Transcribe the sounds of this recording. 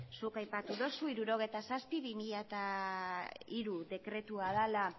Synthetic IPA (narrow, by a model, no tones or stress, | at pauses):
sukajpat̪uðosuiɾuɾo̞ɣ̞e̞jt̪asaspiβimiʎat̪a | iɾuðe̞kɾe̞t̪uaðala